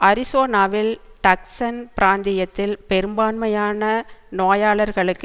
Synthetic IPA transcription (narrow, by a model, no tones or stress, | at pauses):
ʔɐɾɪsoːnaːʋɪlʈɐksɐnpɪɾaːnd̪ɪjɐt̪ːɪlpɛɾɯmbaːnmɐjaːnɐnoːjaːɭɐɾɣɐɭɯkː